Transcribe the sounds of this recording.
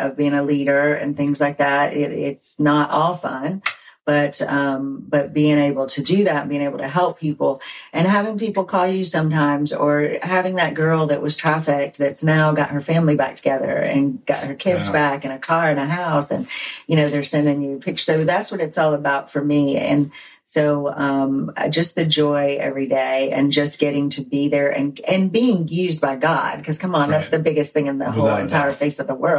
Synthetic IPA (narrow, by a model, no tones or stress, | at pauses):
ʔʌvbiɪ̃ŋəliɾə˞ɨ̰̃nθɪ̃ŋzlaɪk̚ðæt̚ɪɾɪ̰tsnəɾʔɔfə̃nb̥ʌt̚ʌ̃mb̥ʌt̚b̥iɪ̃ŋeɪbl̩ˠtʰɨdɨðætn̩biɪ̃ŋeɪbl̩ˠtʰɨɦɛlˠpʰipl̩ˠʔɨ̃nɦævɪ̃ŋpipl̩ˠkʰɔlˠjɨsʌ̃mtãɪ̃mzə˞ɦævɪ̃ŋðɨt̚ɡ̥ɜ˞lˠðɨʔwʌz̥tʰɹ̥æfɪk̚ðɨtsnaʊɡɑ̰t̚hə˞fæ̃mlibæk̚tʰəɡ̥ɛðə̰˞ɨ̰̃nɡ̥ɑ̰t̚hə˞kʰɪdzbækɨ̃ñɨkʰɑɹɨ̃ñɨɦaʊsɨ̃njɨɾ̃oʊðə̥˞sɛ̃ndɪ̃ŋjʉpʰɪk̚t͡ʃsoʊðætswʌɾɨtsɔlˠəbaʊtfə˞miɨ̰̃n | soʊʌ̃m̰d͡ʒʌsðɨd͡ʒɔɪɛ̰vɹideɪɨ̃nd͡ʒʌsɡ̥ɛɾɪ̃ŋtʰɨbiðə˞ʔɨ̰̃nʔɨ̃nbiɪ̃ŋjʉzbaɪɡɑ̰d̥̚kʰʌz̥kʰʌ̃mə̃nðætsðɨbɪɡɨs̚θɪ̃ŋɨ̃nðə̰ɦoʊlˠɨ̰̃ntʰaɪə˞feɪsʌvðəwɜ˞lˠ